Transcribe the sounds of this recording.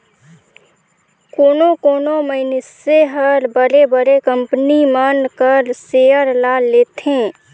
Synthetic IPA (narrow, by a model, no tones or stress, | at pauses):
koːnokoːnoməɪnɪseɦəɾbəɾebəɾekə̃mpənimənkəɾseːəɾlaːleːt̪ẽː